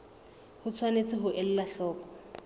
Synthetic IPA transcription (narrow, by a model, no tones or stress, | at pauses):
hʊt͡sʰwanet͡sɪɦʊʔɛl̩laɬɔːkɔ̥